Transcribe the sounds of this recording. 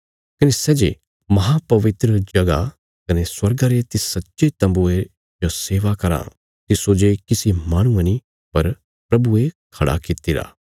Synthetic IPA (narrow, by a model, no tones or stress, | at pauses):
kɐnesɛːd͡ʒe | mɐɦapɐʋɪt̪ɾəd͡ʒɐɡa̰ | kɐneswɐɾɡaɾet̪isɐtːʃet̪ɐ̃mbue | d͡ʒoseːʋakɐɾã̰ː | t̪isoːd͡ʒekɪsimaːɽ̃ũani | pɐɾ | pɾɐbuekʰɐɽa̰kɪt̪iɾa̰ː